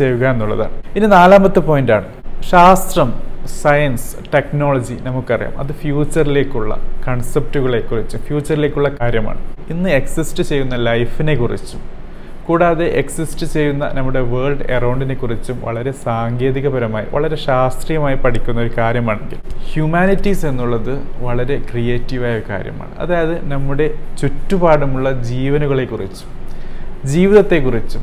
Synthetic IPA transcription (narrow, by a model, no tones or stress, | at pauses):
t͡ɕeʋuɣaenːuɭːɐ̰ða̰ːɳɨinɨnaːlaːmbɐt̪ːɨpo̞ːjndaːɳɨ | ɕaːst̪rɐmsɐjɐns | ʈe̞kno̞ːɭɐd͡ʑinɐmukːɨɐrija̰ːmɐ̰ðɨfjuːt͡ɕːɐrile̞ːkʲːuɭːɐ̰kɐɳsep̚ʈuɣɐɭe̞kːurit͡ɕːumfjuːt͡ɕːɐrile̞ːkʲːuɭːɐkaːɾjɐma̰ːɳɨinːɨe̞ksisʈɨt͡ɕe̞jːunːɐlɐjfine̞kːurḭt͡ɕːu̥m | kuːɽaːðe̞ʔeksisʈɨt͡ɕe̞jːunːɐ̰nɐmːuɽe̞ʋeːɭɖerɐwɳɖine̞kːurit͡ɕːumʋɐ̰ɭɐɾe̞saːŋɡe̞ːðiɣɐbɐɾɐmaːjḭʋɐ̰ɭɐɾe̞ɕaːst̪rijɐmaːjipɐʈʰikʲːunːɐo̞ɾukaːɾjɐmaːɳeŋɡḭlhjumaːnitːise̞nːuɭːɐðɨʋɐɭɐɾe̞krije̞ːtːiʋaːjɐoɾuka̰ːɾjɐ̰ma̰ːɳɨ̰ʔɐ̰ðaːjɐðɨnɐmːuɽe̞t͡ɕutːubaːɽumuɭːɐd͡ʑiːʋɐnuɣɐɭe̞kːurit͡ɕːu̥md͡ʑiːʋiðɐt̪ːe̞kːurit͡ɕːu